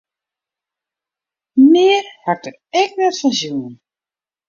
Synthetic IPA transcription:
mɪərhak̚d̥ərɛk̚nɛtfɑnzjuːn

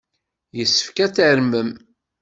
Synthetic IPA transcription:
jəsːə̥fkæt͡sːəɾməm

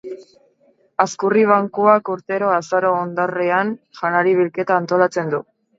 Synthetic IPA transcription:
askuriβ̞aŋkuakuɾt̪e̞ɾo̞asaɾo̞ːnd̪areanʝanaɾiβ̞ilke̞t̪aːnt̪o̞lat͡se̞nd̪u

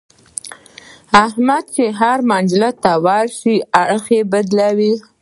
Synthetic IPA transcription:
ahmad̪̚t͡ʃeɦaɾmɑnd͡ʒɪlat̪awɑlʃiaɽxebad̪lawi

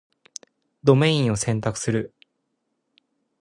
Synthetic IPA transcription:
d̪o̞mẽ̞ĩɰ̃o̞sẽ̞nt̪akɯ̟̥sɨɾɯ̟

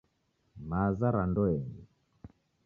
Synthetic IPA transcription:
mazaɾandɔɛŋɛ

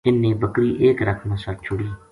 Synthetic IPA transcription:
ɪnːẽːbəkɾiːʔeːkɾəkʰmãːsəʈ̚t͡ʃʰʊɽiː

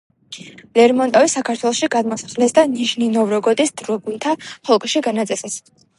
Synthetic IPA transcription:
lɛɾmɔnt̪ʼɔvisakʰat̪ʰwɛlˠɔʃiɡad̪mɔsḁχlɛsd̪aniʃninɔvɾɔɡɔd̪isd̪̥ɾɔɡunt̪ʰaχɔlˠkʼʃiɡanat̪sʼɛsɛs

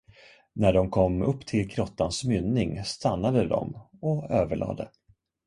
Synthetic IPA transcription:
næɖɔmkʰɔmːɵpːt̪ʰɪlkʰɾɔt̪ːansmʏnːɪŋst̪anːad̪əd̪ɔ̰mɔøːvəɭʔɑ̰ːd̪ə̰

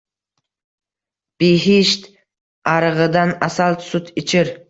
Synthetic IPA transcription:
b̥iɦiʃt̪ | ɑɾəʁəd̪ɑnɑsɑlˠt̪sʊt̪ʰɪt͡ʃʰɪɾ

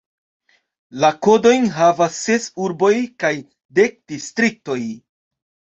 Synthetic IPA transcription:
lako̞do̞jnɦavasːe̞suɾbo̞jkaj | de̞k̚d̥istɾik̚to̞j

